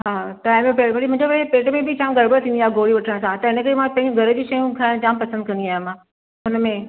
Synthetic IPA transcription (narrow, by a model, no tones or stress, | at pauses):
ɦaːʈaːɪmepeːʈmɐɽimʊ̃ɦɲd͡ʑoʋeepeːʈmẽbʱɪt͡ɕaːmɡʱɐɾbəɽt̪ʰĩːndiaːɦɡoːɾiʋɐʈʰəɽ̃sãt̪ɐɪnəkəɾemãpɐ̃ɦɪ̃ɲd͡ʑũɡʱɐɾəd͡ʑiːʃɐjũkʰaɪɽ̃t͡ɕaːmpɐsə̃nd̪̚kʰɐ̃nd̪iaːɦj̃mã | ʊnə̆mẽ